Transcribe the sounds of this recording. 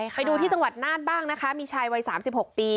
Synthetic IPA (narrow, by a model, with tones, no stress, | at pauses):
a˧jduː˧t̪ʰiː˥˩t͡ɕa˧ŋwa˨˩t̪̚naː˥˩n̚baː˥˩ŋna˦˥kʰa˦˥miː˧t͡ɕʰaː˧jwa˧˥jsaː˩˦msi˨˩p̚ho˨˩k̚piː˧